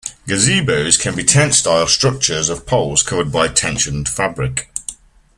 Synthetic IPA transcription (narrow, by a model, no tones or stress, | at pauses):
ɡ̥əziːboʊz̥kʰə̃nbitʰɛ̃nstaɪlˠstɹ̥ʊk̚t͡ʃəzəv̥pʰʌʊlˠz̥kʰʊvəd̚baɪtʰɛ̃nʃə̃nfabɹɪk